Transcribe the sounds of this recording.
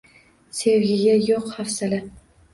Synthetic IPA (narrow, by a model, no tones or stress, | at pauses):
se̞wɡʲɪɡʲajoqhafsalɪ